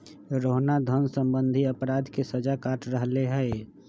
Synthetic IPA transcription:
ɾoɦnad̪ʱənsə̃mbə̃nd̪ʱiəpɾaːd̪ʱkesəd͡ʒakaːʈʰɾəɦleɦɛe

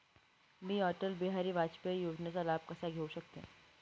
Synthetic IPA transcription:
mĩːɔːʈəlbiɦaːɾiʋaːt͡ʃpejoːd͡ʒnesalaːb̚kɐsaɡʱeoʃɐk̚t̪ẽ

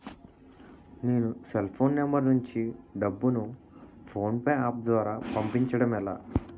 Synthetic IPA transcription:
neːnuselpʰo̞ːnːembɐɾnuɲt͡ʃiɖɐbːunu | pʰo̞ːnpeaːp̚d̪ʋaːɾaːpɐmpiɲt͡ʃɐɽɐmɛla̰ː

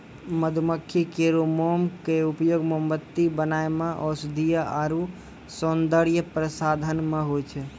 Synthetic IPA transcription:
məd̪ʱuməkʰːikeɾomomkeupjoɡmombət̪ːibənaemeʔɔsd̪ʱijəaɾu | sond̪əɾjəpɾəsad̪ʱənmeɦojt͡ʃʰɛ

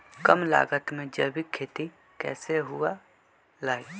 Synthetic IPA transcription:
kəmla̰ːɡət̪mẽd͡ʒəbikʰːeːt̪i | kɛ̰ːseɦʊa | laːi

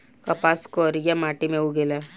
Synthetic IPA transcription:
kɐpaskɔːɾijamaːʈimẽuɡelɛ

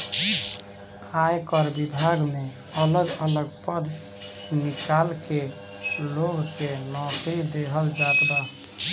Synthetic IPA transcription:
ajkɔɾbibʱaɡme | ələɡələɡpəd̪ | nikalke | loɡkenɔkɾid̪eɦəld͡ʒat̪b̪a

